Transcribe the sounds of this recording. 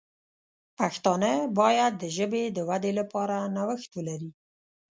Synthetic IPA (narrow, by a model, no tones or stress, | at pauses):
paxt̪ɑnəbɑjad̪ːəʒəbed̪əwad̪elapɑɾanawəxt̪wəlaɾi